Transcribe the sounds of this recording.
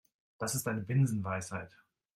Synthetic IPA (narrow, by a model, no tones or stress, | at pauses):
d̥asɪstʔaɪnəvɪnzn̩vaɪshaɪt